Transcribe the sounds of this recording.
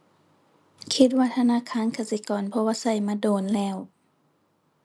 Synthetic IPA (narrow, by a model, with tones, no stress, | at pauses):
kʰi˧t̪̚waː˧t̪ʰa˧naː˧˥˨kʰaː˧˥˨nkʰa˧˩si˧˦kɔː˨˩npʰɔ˧waː˧sa˧˩jmaː˧˨doː˧˩nlɛː˧˩˨w